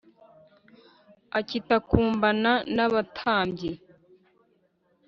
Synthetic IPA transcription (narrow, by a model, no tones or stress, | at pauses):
acitakuːmbananaβatʰaːmbɟe